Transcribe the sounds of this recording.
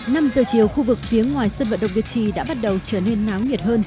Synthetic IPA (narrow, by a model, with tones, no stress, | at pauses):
na˧mzəː˨˩t͡ɕi˨˩əwxu˧vɨ˨˩k̚fi˨˦əŋwaː˨˩jsəː˧nvə̰˧˨nɗə̰˧˨ŋ͡mvi˨˩ək̚t͡ɕḭ˧˨˩ɗa̰ː˧˥ɓa˦˥t̚ɗə˨˩wt͡ɕəː˧˩ne˧nːaː˨˦wɲi˨˩ət̚həː˧n